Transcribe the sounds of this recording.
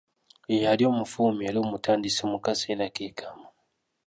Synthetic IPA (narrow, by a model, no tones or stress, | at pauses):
ijaljomufumialumutʰandisimukasɛnakikʰamu